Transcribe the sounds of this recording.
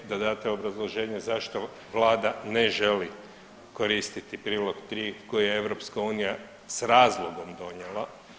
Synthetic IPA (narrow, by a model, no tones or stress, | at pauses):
d̪ad̪aːt̪eo̞bɾazlˠo̞ʒe̞ːɲezaʃt̪o̞ | ʋlˠaːd̪aneʒe̞li | ko̞ɾiːst̪it̪ipɾiːlˠo̞ɡt̪ɾiːko̞jijeeʋɾo̞pskauːnija | sɾaːzlˠoɡo̞md̪o̞ɲelˠa